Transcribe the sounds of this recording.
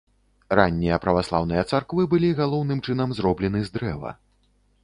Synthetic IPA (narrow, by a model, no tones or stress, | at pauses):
ranʲːijɐpɾɐvaslˠa̰wnɨjɐt̪sarkvɨbɨlʲiɣalˠɔwnɨmt͡ʂɨnɐmzɾɔblʲɛn̪ɨzd̪ɾɛvɐ̰